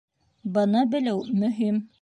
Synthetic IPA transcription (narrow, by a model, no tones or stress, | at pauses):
bɤ̆nɤbɘ̆læwmɵ̆ɦim